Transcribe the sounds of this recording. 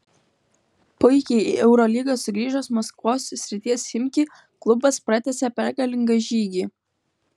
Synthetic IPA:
pʊɪkʲɛɪiʔɛʊɾɔːlʲiɡɐsʊɡɾʲiːʒosmɔskʋoːsʲsʲɾʲɪt̪ʲiɛsʲɪmʲkʲiː | klˠʊbɐspɾɐt̪ʲɛsʲɛpʲɛɾɡɐlʲɪŋɡɐʒʲiːɡʲiː

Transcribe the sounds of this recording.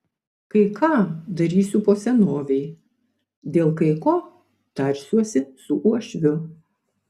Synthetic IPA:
kɐɪkʰɑːd̪ɐɾʲiːsʲʊpoːsʲɛnoːʋʲɛɪ | d̪ʲeːlˠkɐɪkoː | t̪ɐɾʲsʲuɔsʲɪsʊʔuɔʃʲʋʲʊ

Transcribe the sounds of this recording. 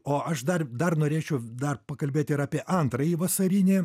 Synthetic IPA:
oːʔɐʃd̪ɐrd̪ɐrnoːɾʲeːt͡ʃʲɛʊd̪ɐrpɐkɐlʲbʲeːt̪ʲɪɾɑːpʲiɛʔɐnt̪ɾɐjiːʋɐsɐɾʲinʲeː

